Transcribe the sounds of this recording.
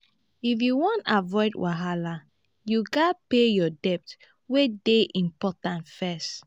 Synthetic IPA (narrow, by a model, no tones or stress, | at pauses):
ifjuwɔ̃ntavɔɪdwʔaɦala | juɡapejɔdɛp̚t | wedeʔĩmpɔtãntfɛst